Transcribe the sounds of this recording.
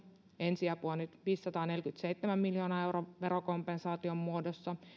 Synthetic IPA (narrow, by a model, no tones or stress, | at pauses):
e̞nsiæpuonyt̪ʋiːsːɑt̪ɑːne̞lkyt̪se̞jt̪ːemæmmiljo̞ːnɑe̞wɾoʋe̞ɾoko̞mpensɑːt̪io̞mːuodosːɑ